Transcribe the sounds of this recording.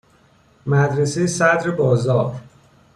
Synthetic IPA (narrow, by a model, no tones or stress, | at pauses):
mæd̪ɾesejesæd̪ɾebɒːzɒːɾ